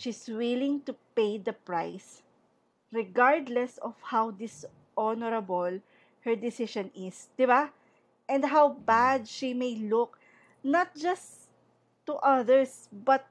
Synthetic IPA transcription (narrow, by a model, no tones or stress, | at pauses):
ʃiswɪlɪ̃ŋt̪upejd̪ɐpɹajs | ɹɛɡaɹd̪lɛsɔfhawd̪ɪs | ʔɔnɔɾɐbɔl | hɛɹd̪ɪsɪʃɔ̃nɪsd̪̥ɪba | ʔɛ̃nd̪ɦawbad̪̚ʃimejlʊk̚ | nɐt̪̚d͡ʒɐs | t̪ːuʔɐðɛɹs | bɐt̪̚